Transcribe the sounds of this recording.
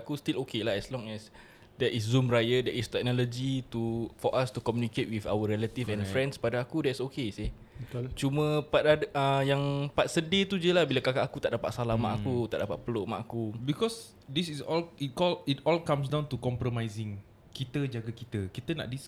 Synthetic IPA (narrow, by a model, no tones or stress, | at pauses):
akust̪ilokelaɦɛslɔ̃ŋɛs | dɛtʔiszumrajədɛʔist̪ɛk̚nɔlɔd͡ʒit̪ufɔʔast̪ukɔmjũniket̚wifa̰wəɾɛlat̪ifɛ̃nfɾɛ̃nspadaakudɛtsokesih | t͡ʃumə̃pat̪adʔəjaŋpat̪̚sədet̪ud͡ʒiəlahbilakakaʔːkut̪aʔdapa̰ʔ̪̚salama̰ʔakut̪a̰ʔdapa̰t̪̚pəloʔmã̰ʔakubikɔs | disisɔlit̚kɔlitɔlkãms̬dãw̃nt̪ukɔ̃mpɾɔmajzɪ̃ŋ | kit̪əd͡ʒaɡakit̪əkit̪əna̰ʔdis